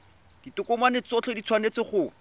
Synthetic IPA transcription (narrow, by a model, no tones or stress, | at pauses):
d̥itʊkʊmanɪt͡sɔt͡ɬʰɔdit͡sʰwanet͡sɪχʊ